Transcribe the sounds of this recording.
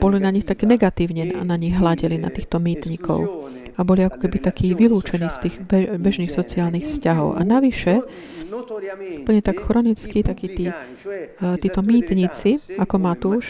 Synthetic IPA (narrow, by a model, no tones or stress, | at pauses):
b̥ɔlinaɲixt̪akɛːnɛɡat̪iːʊɲɛa̰naɲiɣɦlaɟɛlina̰t̪iːxt̪ɔmiːt̪ɲikɔ̰ʊ | abɔliakɔ̥kɛbit̪akʰiːʋiluːt͡ʃɛniːst̪iːɣbɛbɛʒniːxsɔt͡siaːlnixfscaɦɔ̰ʊʔa̰naʋiʃɛ | upl̩ɲɛt̪akxɾɔnit͡skit̪akiːt̪iː | t̪iːt̪ɔmiːt̪ɲit͡siakɔmat̪uːʃ